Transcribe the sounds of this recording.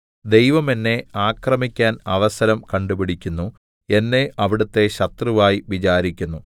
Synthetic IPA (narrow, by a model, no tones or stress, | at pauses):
d̪e̞jʋɐme̞nːe̞aːkrɐmikʲːaːnɐʋɐsɐɾɐmkɐɳɖubiɽikʲːunːu | e̞nːe̞ʔʔɐʋiɽɐt̪ːe̞ɕɐt̪rɨʋaːjiʋit͡ɕaːɾikʲːunːu